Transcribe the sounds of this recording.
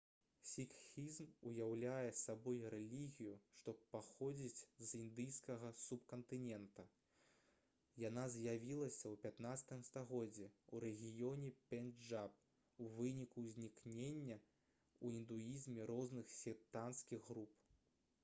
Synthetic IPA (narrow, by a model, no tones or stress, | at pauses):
sʲikxʲizmujawlʲajɛsabɔjɾɛlʲiɣʲijuʂt̪ɔppːaxɔd͡zʲit͡sʲzind̪ɨjskɐɣɐsup̚kɐnt̪ɨnʲɛnt̪ɐ | janazjavʲilˠɐsʲɐwpʲat̪nat̪sɐ̥t̪ɨmst̪aɣɔd͡zʲːiuɾɛɣʲijɔnʲɛpʲɛnʐap̚ | uvɨnʲikuzʲnʲiknʲenʲːɐ | uind̪uizmʲɛɾɔznɨxsʲit̪anskʲiɣːɾup